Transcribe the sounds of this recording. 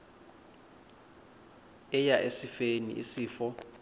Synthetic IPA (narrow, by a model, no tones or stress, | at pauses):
ɛjaʔesifenḭisiːfɔ